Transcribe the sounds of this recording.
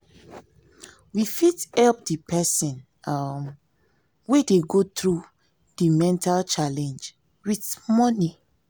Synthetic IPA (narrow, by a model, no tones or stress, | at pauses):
wifithɛlp̚dipɛsĩn | am | wedeɡotɹu | dimɛ̃ntalt͡ʃalɛ̃nd͡ʒ | witmɔni